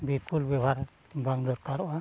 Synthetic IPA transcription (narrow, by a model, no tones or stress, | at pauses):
biɾkulbɛbʱaɾ | baŋlɔɾkaɾɔwa